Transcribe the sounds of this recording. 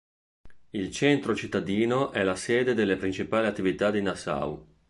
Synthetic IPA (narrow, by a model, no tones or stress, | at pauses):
ilt͡ʃent̪ɾot͡ʃit̪ːad̪iːnoʔɛlaseːd̪ed̪elːepɾint͡ʃipaːliat̪ːivit̪ad̪inasa̰w